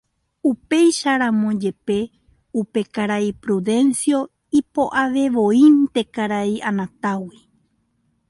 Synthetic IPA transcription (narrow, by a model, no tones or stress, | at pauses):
upe̞jʃaɾãmõd͡ʒe̞pe̞ | upe̞kaɾaipɾuðe̞nsjo̞ | ipo̞ʔaʋe̞ʋoint̪e̞kaɾaianãt̪awi